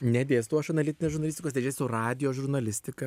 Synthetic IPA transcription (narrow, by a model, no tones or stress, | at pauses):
nʲɛd̪ʲeːst̪uɔʃɐnɐlʲɪt̪ʲɪnʲeːsʒʊɾnɐlʲɪsʲt̪ʲɪkoːsʲt̪ʲed͡ʒʲeːsʲʊrɑːd̪ʲɪjoːʒʊɾnɐlʲɪsʲt̪ʲɪkɐ